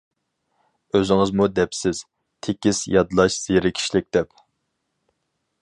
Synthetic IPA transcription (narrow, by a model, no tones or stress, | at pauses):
øzɪŋɨzmud̪ɛpsɪz̥ | t̪ʰekʲisjɑd̪lˠɑʃz̥eɾɪkʲʰi̥ʃlɪk̚ʲd̪ɛp